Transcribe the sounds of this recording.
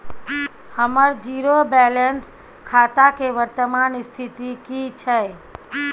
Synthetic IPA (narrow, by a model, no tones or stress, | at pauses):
həməɾd͡ʒiɾobɛlens | kʰat̪akeʋəɾt̪əmanist̪ʰit̪ikit͡ʃʰə